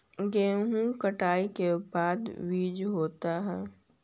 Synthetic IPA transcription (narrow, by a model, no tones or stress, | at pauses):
ɡẽːɦũkəʈaːikebaːd̪ʋiːd͡ʒɦoːt̪aɦɛː